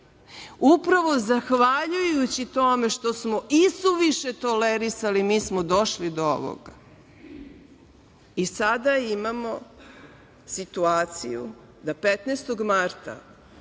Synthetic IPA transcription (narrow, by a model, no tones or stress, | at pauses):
upɾaʋo̞zaxʋaʎujut͡ɕit̪o̞me̞ʃt̪osmoʔisuʋiʃet̪o̞leɾisalimiːsmod̪o̞ʃlid̪oo̰ʋo̰ɡa | isad̪aimamo | sit̪uaːt̪sḭjṵ | d̪apet̪nest̪oɡmaɾt̪a̰